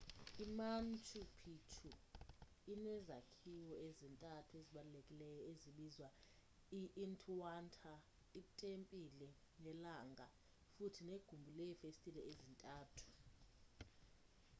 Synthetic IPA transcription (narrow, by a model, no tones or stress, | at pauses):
iman̩t͡ʃʰʼupʰitʰu | inɛzakʰiwɔezintʼatʰueziɓalulekʼilɛjɔeziɓizwa | iʔːntʰʼwantʰa | iɓutʼempʼilɛ | nɛlaŋɡʱa | futʰineɡ̥ʱumbʱulɛfestʼilɛʔezintʼaːtʰu̥